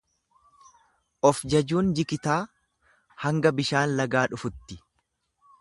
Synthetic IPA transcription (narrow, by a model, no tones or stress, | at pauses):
ʔɔfd͡ʒɐd͡ʒuːnd͡ʒɪkɪt̪aː | hɐŋɡɐbɪʃaːnlɐɡaːᶑʊfʊt̪ːɪ̥